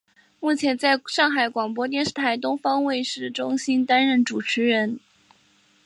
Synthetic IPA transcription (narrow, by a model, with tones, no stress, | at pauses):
mu˥˩t͡ɕʰjɛ˧˥nt͡sa˥˧ɪʂɑ˥˩ŋxa˧˩ɪkwɑ˨˩ŋpwɔ˥t̪jɛ˥˧nʂɻ̩˥˩t̪ʰa˧˥ɪt̪ʊ˥ŋfɑ˥ŋwe˥˧ɪʂɻ̩˥˩ʈ͡ʂʊ˥ŋɕi˥nt̪a˥nɻə˥˩nʈ͡ʂu˨˩ʈ͡ʂ̩ʰ˧˥ɻə˧˥n